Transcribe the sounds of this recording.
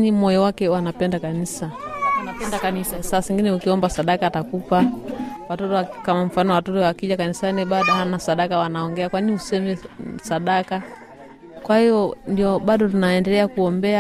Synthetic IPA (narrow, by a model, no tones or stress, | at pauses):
nimɔjɔwakɛwanapɛndakanisaanapɛndakanisasasɛŋɡinɛukiɔmbasaɗakatakupawatɔtɔkamam̩fanɔwatɔtɔwakiʄakanisaniɓaɗahanasaɗakawanaɔŋɡɛakwainihusɛmɛsaɗaka | kwahijɔndiɔɓaɗɔtunaɛndɛlɛakuɔmbɛa